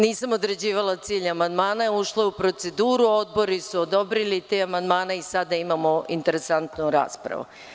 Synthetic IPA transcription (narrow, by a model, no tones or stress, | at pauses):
niːsamo̞d̪ɾed͡ʑiːʋalat̪siːʎamand̪maːnaeuʃlˠoupɾo̞t̪se̞d̪uːɾuo̞d̪̚bo̞ɾisuod̪o̞bɾilit̪eːamand̪maːnaisad̪aimamo̞int̪e̞ɾe̞sant̪nuɾa̰ːspɾa̰ʋṵ